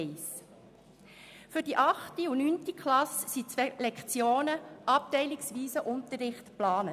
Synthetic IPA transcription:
ɪs | fʏɾd̥iʔɑχtiunyːntikχlɑssit͡sʋɛlɛkχt͡sjoːnəʔɑp̚tɛɪliksʋiːsəʔʊnt̪əɾːɪχtplɑːnə

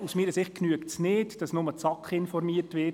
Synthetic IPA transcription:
usmiːɾəsɪχt̚knyəktsnɪːtd̥ɑsnʊmət͡sɑkχɪnfɔɾmiətʋɪ

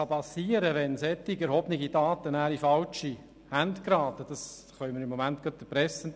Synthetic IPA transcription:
ɑpɑsiːəɾəʋɛnsɛt̪ːiɡɛɾhɔbniɡid̥ɑːt̪ənæːɾifɑlt͡ʃi | hænd̪kɾɑːt̪əd̥ɑs | χœʏməɾɪmːomænt̪ɡ̥ɑt̪ːɛpɾɛsːən

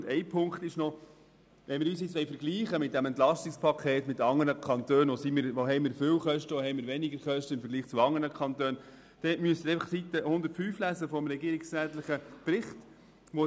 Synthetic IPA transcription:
dɛɪpʰʊŋkχt̪ɪʃnɔ | ʋɛnmɪːɾyːs̬jɪt͡sʋɛɪfəɾɡliːχəmɪt̚d̥æmɛnt̪lɑstɪkspʰɑkʰeːtmɪtɑŋːəɾəkʰɑnt̪øːnosimɪːɾʋoɦɛɪmɪːɾfɪwχœʃtəohɛɪmɪːɾʋɛnɪɡəɾχœʃtəɪmfəɾɡliːχt͡suɑŋːənəkʰɑnt̪øːn | d̥ɛmyəst̪ːɾɛɪfɑχsit̪ːəhʊnd̪əɾtfyːflæzəfɔmɾɛɡiːɾɪksɾæːtləχəb̥ɾɪχt | ʋo

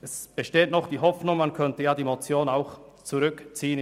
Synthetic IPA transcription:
ɛsb̥əʃteːtnɔχd̥iːɦɔfnʊŋmankʰœntəjaːdiːmot͡sjoːnaʊx | t͡suʁʏkt͡siːən

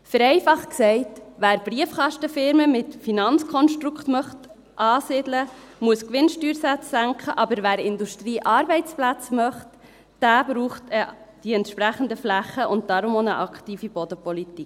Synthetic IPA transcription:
fəɾɛɪfɑχksɛɪtʋæːɾb̥ɾiəfχɑʃtəfɪɾməmɪtfinɑnt͡skʰɔnʃtɾukχtmœχt | ʔɑːsɪdlə | muəskʋɪnʃtyːɾsæt͡sːæŋkχəʔɑbəɾʋæːɾɪnduʃtɾiːʔɑːɾbɛɪt͡splæt͡smœχt | d̥æːb̥ɾuːχtəd̥iɛntʃpɾæχənd̪əflæχəʔʊnt̚d̥ɑɾʊmonəʔɑkʰtiːfibod̥̪əpɔlitik

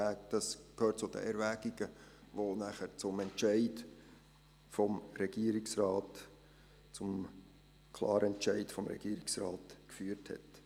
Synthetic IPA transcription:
æːkd̥ɑskhøːt̚t͡sʊd̥ə̰ʔɛɾʋæɡ̥iɡ̥əʋonæχəɾt͡sʊmɛntʃɛɪd | fɔmɾɛɡ̥iəɾiksrɑːt | t͡sʊm | kʰlˠɑ̰ːɾəɛnt͡ʃɛɪtfɔmɾɛ̰ɡiːɾiksrɑːtkfyːəɾthɛ̰t

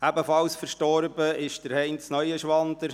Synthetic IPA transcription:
æbəfɑlsfəɾʃtɔɾbəɪʃd̥əɾhɛɪnsnœʏəʃʋɑnd̪əɾ

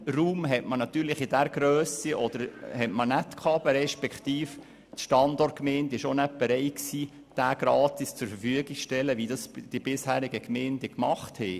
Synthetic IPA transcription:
ruːmɦɛtmənɑt̪yːɾlɪχɪd̥æɾɡ̥ɾøːsiʔɔd̥̪əɾhɛtmənæt̪kʰɑːb̥əɾɛʃpɛkt̪iːf | tʃtɑnd̪ɔrt̚kmɛːndɪʃonɛt̚b̥eɾɛɪksiː | d̥æːɡ̥ɾɑːt̪ist͡sʊɾfəfyəɡɪkʃtɛləʋidɑsd̥ib̥ɪshæːɾɪɡəkmɛːnd̥ɛkmɑχt̪hɛ

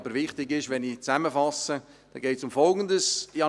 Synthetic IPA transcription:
b̥əɾʋɪχtɪɡɪʃʋɛnit͡sæməfɑsə | d̥ɛɡ̥ɛɪtsʊmfɔlɡəndəsiɑ

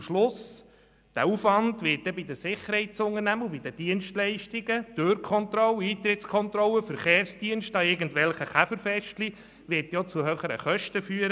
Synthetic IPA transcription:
mʃlʊs | d̥æ̰uːfvɑndʋɪt̚dɛbid̪əsɪχəɾhɛɪtt͡sʊŋənæməubid̥̪əd̥iənʃtlɛɪʃtiɡəd̥øːɾkʰɔnt̪ɾɔlːəiːt̪ɾɪtskʰɔnt̪ɾɔləfəɾχeːɾsd̥iənʃtɑɪɾɡən̩tʋɛlχəχæfəɾfɛʃtli | ʋɪtjɔt͡suɦøχəɾə̰χœʃtəfyːəɾə

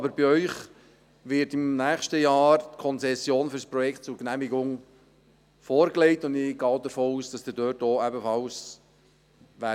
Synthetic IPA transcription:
ɑbəɾbiœʏχ | ʋɪɾtimnæːχʃtəjɑːɾtkʰɔnt͡sɛsːjoːnfyɾspɾɔjɛktt͡sʊɾknæmiɡʊŋ | foːɾkleɪtʊndɪɡ̥ɑːdəɾfoːuːsd̥ɑsdɪdøːtoːæbəfɑls | ʋæ

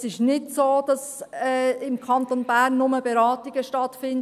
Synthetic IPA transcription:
sɪʃnɪtsoːd̥ɑsɛɪmkʰɑntonbæːrnːʊməbeɾɑːtiɡ̥əʃtɑtfɪnd

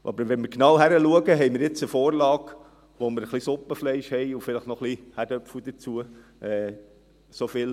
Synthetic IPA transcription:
ʔɑ̰bəɾʋɛnməɾknɑwɦæɾəluəɡəɦɛɪməɾjɪt͡səfoːɾlɑːɡ | ʋoməɾəχlisʊpːəflɛɪʃhɛɪufɪləχtnɔχlihædœpfud̪ət͡suə | ʔɛː | sofɪl

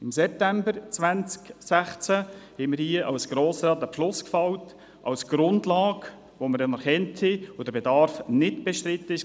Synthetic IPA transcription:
ɪmsɛp̚t̪æmbəɾt͡svʋænt͡sksæχt͡sæhɛməɾhiəʔɑwsɡ̥ɾoːsɾɑːt̪əpflʊskfɑwt | ʔɑwsɡ̥ɾʊndlɑːk | ʋoməɾdɛnəɾχɛntʰhiod̥əɾbedɑɾfnɪtb̥ɛʃt̪ɾɪt̪ːəɪʃ

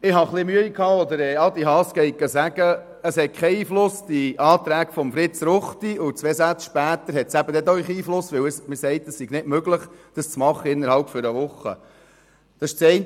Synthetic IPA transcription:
ɪɦɑχlɪmyəikʰhɑːɔd̪əɾɛːɑd̪iɦɑːskɛɪɡɑsæɡ̥ə | əshɛt̚kʰɛiːflʊsd̥̪iʔɑːt̪ɾæːɡ̥fɔmfɾɪt͡sɾʊχt̪iʊt͡sʋesæt͡sʃpæːt̪əɾɦɛt̪sæbəd̪ɛt̪œɥχiːflʊsʋɪwəsmɪsɛɪt̪əssiɡ̥nɪtmøɡləχd̥ɑst͡smɑχːəɪnːəɾɦhɑlpfɔɾəʋʊχə̰ | d̥̪ɑsʃt͡sɛɪn

